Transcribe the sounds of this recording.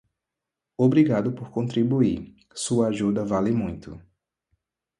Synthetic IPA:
obɾiɡad̪ʊpoɾkõnt̪ɾibui | suɐaʒud̪ɐvalɪmũj̃t̪ʊ̰

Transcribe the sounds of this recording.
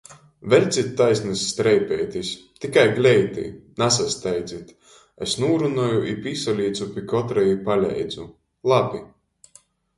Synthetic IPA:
vɛlʲt̪sʲit̪ʲːajsʲnɨsʲːt̪ɾɛjpɛjt̪ʲisʲt̪ikajɡlʲɛjt̪ḭnasast̪ɛjd̪zit̪ | esnuːɾunɔjuʔipisalʲiːt̪supʲikɔt̪ɾɛjipalʲɛ̰jd̪zu | lˠabʲi

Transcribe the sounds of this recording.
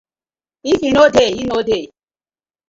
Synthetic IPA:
ifinodeinode

